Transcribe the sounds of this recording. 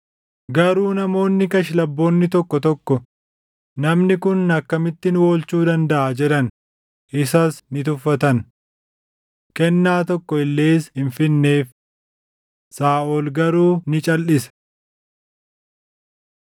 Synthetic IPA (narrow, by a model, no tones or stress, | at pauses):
ɡɐɾuːnɐmo̞ːnːɪkɐʃ̬lɐbːo̞ːnːɪt̪ɔkːɔt̪ɔkːɔ | nɐmnɪkʊnːɐkːɐmɪt̪ːɪnʊwo̞ːlt͡ʃuːd̪ɐnd̪ɐʔaːd͡ʒɛᶑɐn | ʔɪsɐsnɪt̪ʊfːɐt̪ɐn | kɛnːaːt̪ɔkːɔɪlːeːsɪnfɪnːe̞ːf | saːʔoːlɡɐɾuːnɪt͡ʃʼɐlːɪsɛ̥